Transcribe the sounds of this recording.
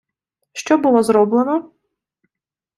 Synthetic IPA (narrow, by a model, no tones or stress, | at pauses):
ʃt͡ʃɔbʊlˠɔzɾɔblˠenɔ